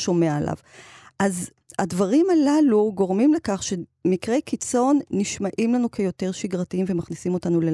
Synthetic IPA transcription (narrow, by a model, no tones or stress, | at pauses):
ʃo̞meaalʔa̰vʔaz | advaʁimalaluɡo̞ʁmimlekaχʃemikʁe̞jkit͡so̞nːiʃmaʔimlanukʰejo̞te̞ʁʃiɡʁatiimve̞maχnisimo̞tanule